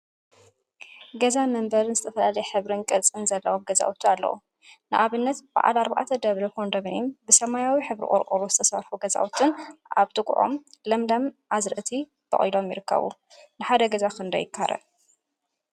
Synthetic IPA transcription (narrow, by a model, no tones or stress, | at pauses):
ɡɐzamɐmbɐɾnɨzɨt̪ʰɐfɐlalɐjħɨβɾɨnkʼɨlt͡sʼɨnzɐlːɐwomɡɐza̰ʔwut̪ʰualːɐ̰wṵ | nɨʔaβɨnːɐt̪b̥a̰ʔa̰laɾba̰ʕt̪ʰɐd̪ɐβɾɐkʰond̪ɐmnimbɨsɐmajawiħɨβɾḭkʼɔ̰ɾqʼṵɾuzɨt̪ʰɐsɐɾfuɡɐza̰ʔut̪ʰɨnʔaβt̪ʼɨkʼʔo̞̰mlɐmlɐmʔazɾɨʔɨt̪ʰi | b̪ʰɐ̰χʼijlomjɪɾɨkːɐ̰βṵ | nɨħad̪ɐɡɐzakɨnd̪ɐ̰jɪkʰːaɾʔɐ̰